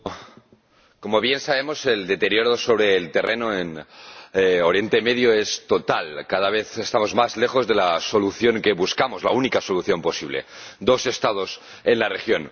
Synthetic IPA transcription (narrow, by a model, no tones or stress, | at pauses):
ko̞moβje̞nsaβe̞mo̞se̞ld̪e̞t̪e̞ɾjoɾoso̞β̞ɾeːlt̪erʔenoen | oɾje̞nt̪emeðjoest̪o̞t̪alkað̞aβ̞e̞θe̞st̪amo̞zmazle̞xo̞zðe̞laso̞luθjo̞ŋke̞βuskamozla̰unikaso̞luθjo̞mpo̞siβ̞le̞̰d̪o̞se̞st̪að̞o̞s | enlarexjo̞n